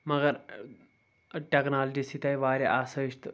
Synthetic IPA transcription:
məɡəɾ | ʈeknald͡ʑisit̪ajʋaɾeʔasəʂt̪

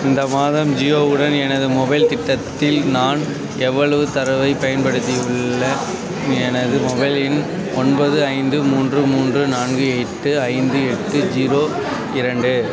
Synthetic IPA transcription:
ɪnd̪ɐmaːðɐmd͡ʒioːɯɽɐnɛnɐðɯmɔbɐɪlt̪ɪʈːɐt̪ːɪlnaːn | ɛʋːɐɭɐʋɯt̪ɐɾɐʋɐɪpɐjɐnpɐɽɯt̪ːiɯɭːɐ | ɛnɐðɯmɔbɐɪlɪn | ʔɔnbɐðɯɐɪnd̪ɯmuːndrɯmuːndrɯnaːnɡɯɛʈːɯɐɪnd̪ɯɛʈːɯd͡ʒiːɾoː | ɪɾɐɳɖɯ

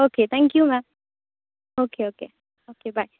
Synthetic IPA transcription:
oket̪ʰɛ̃ŋkjumɛ̃m | oːkeoːke | oːkebaɪ

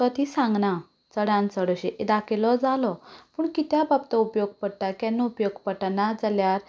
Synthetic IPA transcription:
t̪ɔt̪isãŋɡna | t͡səɽãnt͡səɽəɕeʔed̪akʰelɔd͡zalɔpuːɳkit̪jababt̪ɔupjoɡ̚pəɽʈ̪akãnːəupjoɡpəʈnad͡zaljaɾ

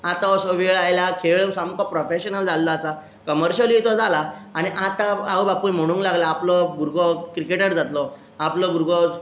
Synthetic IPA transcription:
at̪aɔsoʋiajlakʰeʋsamkɔpɾɔfeɕənəld͡zalːɔasa | kəməɾɕəliːt̪ɔd͡zalaaɽ̃iʔat̪aawbapujm̤əɽ̃ũːŋklaɡlaːplɔbʱuɾɡɔkɾikeʈəɾd͡zat̪lɔ | aplɔbuɾɡɔ

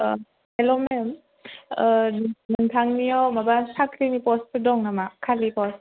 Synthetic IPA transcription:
elɔmem | nɯŋtʰaŋnijɔwmabasakɾinipɔspʰɯdɔŋnamakʰalipɔs

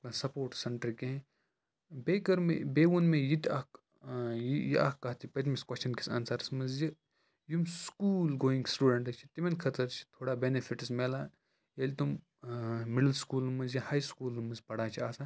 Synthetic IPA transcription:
ɐsɐpoːɾʈsɐɳʈɾkẽ | beːkɐɾmḛbeːʋunmejit̪ʲɐk | jijia̰kːɐt̪ʰipɐt̪miskwɐst͡ʃʰɐnkisɐ̰nsaːɾsmɐnzjɐ | jumskuːlɡoːĩŋɡsʈuːɖɐɳʈɐt͡ʃʰi̥t̪imɐnkʰɐt̪ɐɾt͡ʃʰi̥t̪ʰoːɽaːbenefʰiʈismelaː | jelʲt̪um | miɽɐlskuːlmɐnzjɐhaːjskuːlumɐzpɐɽaːt͡ʃʰiaːsa

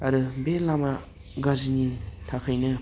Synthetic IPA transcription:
ɐɾɯbelama | ɡazinitʰakʰajnɯ

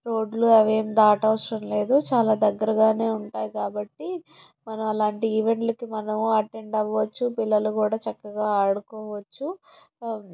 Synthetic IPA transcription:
ɾo̞ːɖluɐʋe̞ːmd̪aːʈɐʋɐsɽɐmle̞ːd̪ut͡ʃaːlaːd̪ɐɡːɐɾɐɡaːne̞ːuɳʈaːjikaːbɐʈːi | mɐnɐmɐlaːɳʈiiʋe̞ɳʈlɐkimɐnɐmɐʈe̞ɳɖɐʋːɐt͡ʃːupilːɐlukuːɽaːt͡ʃɐkːɐɡaːaːɽukɔːʋɐt͡ʃːu

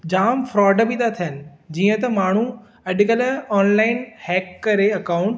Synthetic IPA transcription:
d͡ʑaːmfɾɔːɖbit̪ʰat̪ʰijənɪ̆d͡ʑiːə̃t̪ɐmaːɳ̤u | ɐɗkəlɔːnlaːɪnhɛːkːɐɾeɐkaːʊ̃ɳʈ

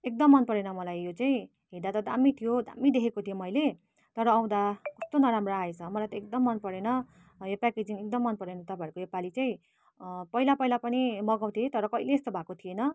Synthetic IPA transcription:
ek̚d̪ʌmːʌnpʌɾenʌmʌlajːot͡saĩ | ɦed̪at̪ʌd̪amit̪ʰijod̪a̰mid̪ekʰekot̪ʰijomʌjle | t̪ʌɾʌːw̃d̪akʌst̪onʌɾamroaet͡sʰʌmʌlajt̪ʌek̚d̪ʌmːʌnpʌɾenʌ | jopaked͡zinek̚d̪ʌmːʌnpʌɾenʌt̪ʌpajʌɾkojopalit͡saĩ | pʌilapʌjlapʌnimʌɡaw̃t̪ʰiet̪ʌɾʌkʌileːst̪ʌbʱakot̪ʰienʌ

